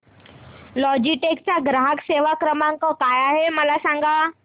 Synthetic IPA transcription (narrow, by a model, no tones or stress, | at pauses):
lɔːd͡ʑiʈeːkt͡ɕaɡɾaːɦəkseːʋakɾəmãŋkokaːjaɦeməlasãŋɡʱa